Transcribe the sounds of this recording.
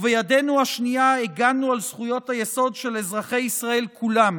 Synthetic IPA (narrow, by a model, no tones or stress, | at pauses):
vejade̞nuaʃniaeɡanualsχujo̞t̪hajeso̞dʃe̞lezʁaχe̞jisʁae̞lkʰulam